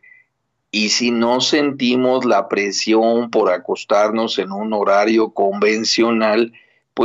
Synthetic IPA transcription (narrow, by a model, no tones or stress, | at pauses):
isino̞se̞nt̪imo̞zlapɾe̞sjo̞mpo̞ɾako̞st̪aɾno̞se̞nuno̞ɾaɾjo̞ko̞mbe̞nsjo̞nal | pwe